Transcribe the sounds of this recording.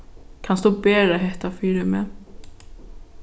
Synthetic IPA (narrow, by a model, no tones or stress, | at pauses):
kʰanst̪oːbeːəɦɛht̪afiːɾʏmɛ